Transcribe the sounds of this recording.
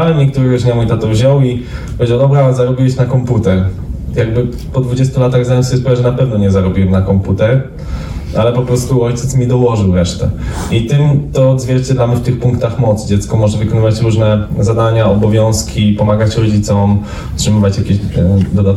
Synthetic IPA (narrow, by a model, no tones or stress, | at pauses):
awɛmɲɛk̚t̪uɾɛɡɔɲamujt̪at̪ɔvʑɔwi | pɔd͡ʑɔd̪ɔbɾazaɾɔbʲiwɛɕnakɔmput̪ɛɾ | jaɡbɘ | pɔd̪vud͡ʑest̪ulat̪aɣzaɲɔt̪sjɛspɔaʐɛnapɛvnɔɲɛzaɾɔbʲiwɛmnakɔmput̪ɛɾ | alɛpɔpɾɔst̪uɔjsɛmʲid̪ɔwɔʐɘwɾɛʂt̪ɛ̰it̪ɘmt̪ɔːd̪zvʲjɛɾt͡ɕɛd̪lamɘft̪ɘxpũŋkt̪axmɔt̪sd͡ʑɛt̪skɔmɔʐɛvɨkɔnɨvat͡ɕɾuʐnɛzad̪aɲaɔbɔvʲjɔ̃w̃skʲipɔmaɡat͡ɕɾɔd͡ʑit̪sɔm | tʂɨmɨvat͡ɕjakʲeɕd̪ɔd̪at̪